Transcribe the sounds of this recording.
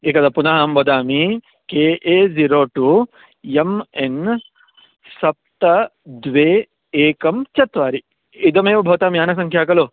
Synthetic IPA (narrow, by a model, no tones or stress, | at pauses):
eːkɐd̪ɐpunaɦaːmbɐd̪aːmi | keːʔeːziɾoːʈuː | jemen | sɐp̚t̪ɐd̪ʋeː | eːkɐmt͡ʃɐt̪ʋaːɾi | id̪ɐmeːʋɐbʱɐʋt̪aːmijaːnɐs̬ɐŋkʰjaːkɐloː